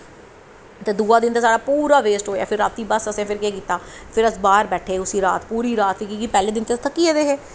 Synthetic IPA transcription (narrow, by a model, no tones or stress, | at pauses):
t̪eːd̪uːaːd̪ɪnt̪eːsaːɖaːpuːɾaːʋeːsʈɦoːja̰ːpʰɪɾːaːt̪ːiːbəsəsẽːpʰɪɾkeːkiːt̪aːpʰɪɾəsbaːɾbɛːʈʰeːʊsiːɾa̰ːt̪puːɾiːɾaːt̪ʋiːkiːkiːpɛːleːd̪ɪnt̪eːst̪ʰəkːieːd̪eːɦeː